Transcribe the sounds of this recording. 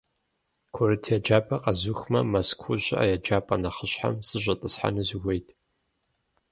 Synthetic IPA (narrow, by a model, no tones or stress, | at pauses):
kʷʰʊɾɨtʰjɛd͡ʒaːpʼɐqʼɐzuxmɐmɐskʷʰʊʑa̰ːjɛd͡ʒaːpʼɐnɐχəɕħa̰msɨʒʷʼɐtʼɨsħa̰nɨzɪwʷejtʰʼ